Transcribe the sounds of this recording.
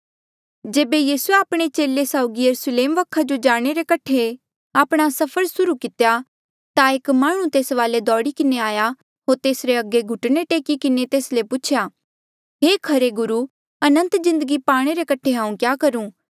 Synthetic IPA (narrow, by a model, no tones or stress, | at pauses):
d͡ʒeːbejiːsueaːpɽ̃et͡ʃeːlesaːʊɡijɐɾusleːmʋɐkʰːad͡ʒod͡ʒaːɽ̃eɾekɐʈʰe | aːpɽ̃asɐpʰəɾsʊɾukɪt̪eja | t̪aeːkmaːɽ̃ũt̪eːsʋaːled̪ɔːɽikɪneaːja | ɦoːɾt̪eːsɾeɐɡːeɡʱʊʈneʈeːkikɪnet̪eːslepʊt͡ʃʰjaː | ɦeːkʰɐɾeɡʊɾu | ɐnə̃nt̪zɪ̃nd̪əɡipaːɽ̃eɾekɐʈʰeɦãːũkjaːkɐɾũː